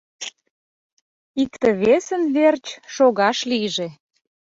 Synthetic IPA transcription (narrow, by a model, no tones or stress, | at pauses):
ikt̪ə̆βesə̆nβert͡ɕʃoɣɑʃliʒe